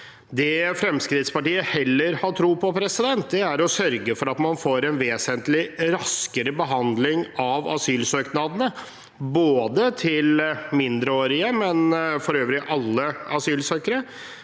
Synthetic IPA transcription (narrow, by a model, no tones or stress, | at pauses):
d̪ɛfɾɛmskɾɪt̪spɑʈiːəhɛlːəɾhɑʈʰɾuːpɔpʰɾɛsɪd̪ɛnt̪̚d̪ɛæɾɔsœɾɡəfɔɾɑt̪mɑnfoːɾɛnʋeːsənt̪lɪɾɑskəɾəbəɦɑnd̪lɪŋɑʋɑ̰syːlsøːknɑd̪ənə | boːd̪ət̪ʰɪlmɪnd̪ɾəoːɾɪəmɛnfɔɾøːʋɾɪʔɑlːəɑsyːlsøːkəɾə